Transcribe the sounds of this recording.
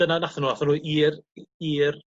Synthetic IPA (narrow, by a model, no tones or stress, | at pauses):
ənanaθanuːaθanuːʔiːriːr